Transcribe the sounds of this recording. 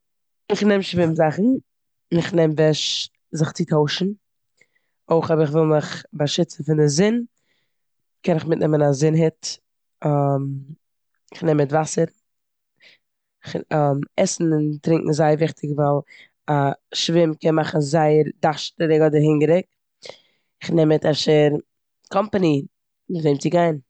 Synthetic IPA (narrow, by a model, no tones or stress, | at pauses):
ɪχnɛmʃvɪmzaχn̩ | ɪχnɛmvɛʃ | zɪχt͡sɪtʰoʊʃn̩ | oɪχɔbɪχvɪlˠmɪχbaʃɪt͡sn̩fɪndɪzɪn | kɛnɪχmɪtnʔɛmənazɪnɦɪt | am | ɪχnɛmɪtvasəɾ | ɪχamɛsn̩ɪntɾɪ̃ŋkŋ̩zaɪəɾvɪχtʰɪkvalˠ | aʃvɪmkɛnmaχn̩zaɪəɾdaʃtəɾɪɡɔdəɾɦɪŋɡəɾɪk̚ | ɪχnɛmɛtaʃɛɾ | kʰɔmpani | mɪzeɪmt͡sɪɡaɪn